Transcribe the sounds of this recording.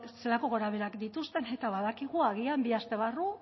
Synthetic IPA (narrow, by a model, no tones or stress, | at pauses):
se̞lako̞ɣo̞ɾaβ̞e̞ɾakd̪it̪ust̪e̞ne̞t̪aβaðakiɣuaɣ̞iambiast̪e̞β̞aru